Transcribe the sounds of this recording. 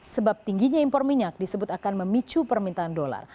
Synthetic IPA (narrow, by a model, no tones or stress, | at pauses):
səbap̚t̪iŋɡiɲaimpɔrmiɲak̚disəbʊt̪akanməmit͡ʃupərmint̪aandola̰r